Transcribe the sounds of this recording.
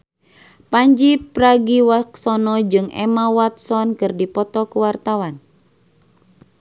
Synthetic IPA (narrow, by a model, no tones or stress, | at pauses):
paɲd͡ʒipɾaɡiwaksɔnɔd͡ʒɨŋɛ̰mawat̪sɔnkɨrdipɔt̪ɔkuwart̪awan